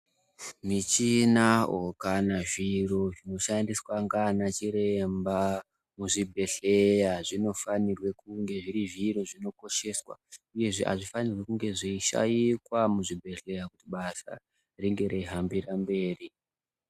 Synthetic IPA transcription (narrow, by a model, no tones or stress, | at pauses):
mit͡ʃinaokanaʐiro̞ʐino̞ʃandiswaŋɡanat͡ʃiɾe̞mba | muʐibʱe̞ɬe̞jaʐino̞fanirwe̞kuŋɡe̞ʐiɾiʐiroʐino̞ko̞ʃe̞swa̰uje̞ʐḛʔa̰ʐifanirwekuŋɡe̞ʐiiʃa̰jikwamuʐibʱe̞ɬe̞jakutiɓasa̰ | riŋɡe̞ɾeiɦambirambe̞ːri